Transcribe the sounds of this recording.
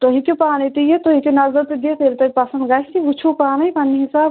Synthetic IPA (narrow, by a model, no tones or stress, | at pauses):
t̪oɦikepaːnit̪ijet̪oɦikenɐzəɾt̪eɡ̪et̪eːlt̪oɦipɐsənd̪ɡaːsiut͡ʃʰupaːnɐjpaniɦisaːb